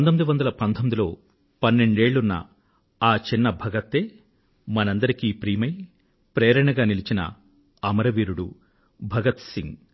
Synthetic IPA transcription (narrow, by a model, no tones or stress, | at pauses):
pɐnd̪omid̪iʋɐnd̪ɐlɐpɐnt̪ʰomid̪ilo̞̰ː | pɐnːe̞ɳɖe̞ːɭːunːɐ̰ | aːt͡ʃinːɐbʱɐɡɐt̪ːeː | mɐnɐnd̪ɐɾikiːpɾiːmɐj | pɾeːɾɐɳɐɡaːnilit͡ʃinɐ̰ | ɐmɐɾɐʋiːɾuɽu | bʱɐɡɐt̪siŋɡ